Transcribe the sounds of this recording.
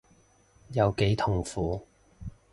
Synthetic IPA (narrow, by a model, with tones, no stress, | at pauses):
jɐ˨˧wke˨˥jt̪ʰʊ˨˩ŋfuː˨˧˥